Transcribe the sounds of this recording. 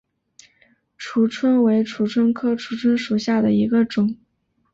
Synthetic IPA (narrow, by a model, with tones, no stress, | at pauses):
ʈ͡ʂʰu˧˥˩ʈ͡ʂʰwə˥nwe˧˥ɪʈ͡ʂʰu˧˥ʈ͡ʂʰwə˥nkʰɤ˥ʈ͡ʂʰu˨˧˥ʈ͡ʂʰwə˥nʂu˨˩ɕja˥˩d̪ə˩i˧˥ɡə˧ʈ͡ʂʊ˨˩˦ŋ